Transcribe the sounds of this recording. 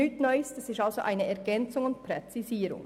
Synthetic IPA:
ytnɔʏstɛsɪstalz̥oʔaɪnəʔɛɾɡɛnt͡sʊŋʊnt̚pɾɛt͡siziːɾʊ̰ŋ

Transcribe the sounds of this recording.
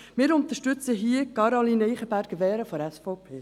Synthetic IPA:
mɪːɾʊnt̪əʃtʏt͡səɦiːəkɑɾoliniːχəbæɾɡ̥əʋɛːɾəfɔɾɛsfɔʊpʰeː

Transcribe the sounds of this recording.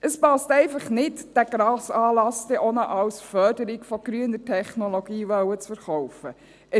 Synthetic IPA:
ʔəspɑstɛɪfɑχnɪtd̥æɡɾɑːsɑːlɑsd̥ɛʔonəʔɑwsfœdəɾikfɔɡ̥ɾyənətʰɛχnoloɡ̥iːʋœwət͡sfəɾχɔwfə | ʔə

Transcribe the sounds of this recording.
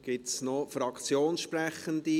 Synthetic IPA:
ɡ̥ɪtsnofɾɑkt͡sjoːnsʃpɾɛχənd̪i

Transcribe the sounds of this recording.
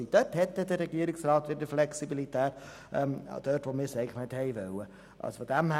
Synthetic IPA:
id̥œthɛtːədəɾɛɡiəɾɪksrɑːtʋɪdəflɛksibilitʰæːt | ʔɛm̰d̥œːtʋoːmɪsɛɡlənɛthɛɪvœwə | ʔɑ̰sfod̥æmh

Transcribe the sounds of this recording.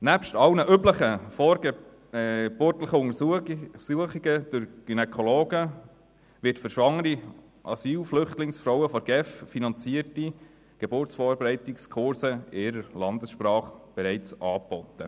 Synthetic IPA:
næpʃtɑlnəʔybləχəfɔɾ | b̥ʊtləχəʊŋəsuəχiɡəd̥ʊɾɡ̥ynɛkʰɔloːɡə | ʋɪtfəɾʃʋɑŋːəɾi | ʔɑsyːlflʏχtlɪŋsfɾɔwəfɔɾɡ̥ɛffinɑnt͡siəti | ɡ̥ɛbʊɾt͡sfɔːɾbeɾɛɪtɪkskʰʊɾsəɪɾəlɑndəsʃprɑːχb̥ɛɾɛɪt͡sʔɑːbɔtːə

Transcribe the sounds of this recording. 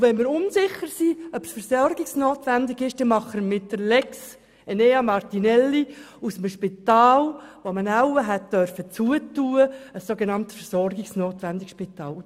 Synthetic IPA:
vɛnmɪɾʊnsɪχːəɾsiœpsfəɾsɔrɡɪksnoːtʋændɪɡɪʃd̥ɛmɑχəmɪtdəɾlɛks | əneːɑmɑrtinɛlːi | usəm̩ʃpitɑːlʋomənæwəɦɛt̚d̥œrfət͡suətuːəəsːoɡɛnɑnt̪fəɾsɔrɡɪksnoːtʋændɪkʃpit̪ɑ̰ːl

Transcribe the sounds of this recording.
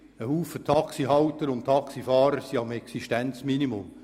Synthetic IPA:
əhuːfətʰɑksiɦɑwtəɾʊntʰɑksifɑːɾəɾsiɑmɛksiʃtɛnt͡sminimʊm

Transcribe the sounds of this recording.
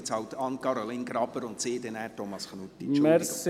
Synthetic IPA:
t͡shɑwt̪ɑnkɑɾoliːnɡɾɑb̥əɾʊnt̪sɪːd̪ɛnæːtomɑsχnut̪ːit͡ʃmɛs

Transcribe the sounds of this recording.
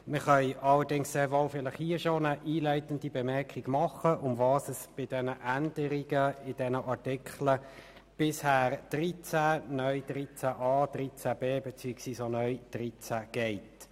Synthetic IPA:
məχœʏʔɑlːəɾdɪŋsːeːɾvoʊfɪlɪχhiːʃonəʔiːlæɪtəndibɛmɛʁkʰiɡ̥mɑχəʔʊmvɑːsəsb̥ɪd̥ɛnəʔænd̥əɾiɡəɪd̥ɛnəʔɑʁtɪkʰχlə | b̥ɪshæːɾd̥ʁit͡sænœʏd̥ʁit͡sæʔɑːd̥ʁit͡sæbeːbɛt͡syːksʋiːsonœʏd̥ʁit͡sæɡ̥ɛɪt

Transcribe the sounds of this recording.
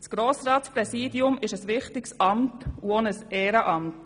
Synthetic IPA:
sɡ̥ɾoːsɾɑːtspɾɛsiːdiʊmɪʃəsʋɪχtɪksɑmtuonəsɛːɾəʔɑmt

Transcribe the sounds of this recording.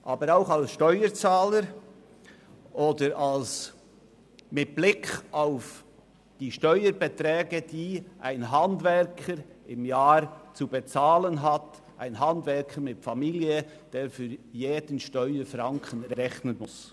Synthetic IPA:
ʔɑːbəɾaʊxɑlsʃtɔʏəɾt͡saːləɾ | ʔoːdəɾals | mɪt̚b̥lɪkʰaʊf | d̥iːʃtɔʏəɾbɛtɾɛːɡəd̥iːʔa̰ɪnɦɑndvɛɾkʰəɾɪmjaːɾt͡subet͡saːlənɦɑt | ʔaɪnɦɑndvɛɾkʰəɾmɪtfɑmiːljə | d̥eːɾfyːɾjeːdən̩ʃtɔʏəɾfɾɑŋkʰənɾɛɾɛçnənmʊs

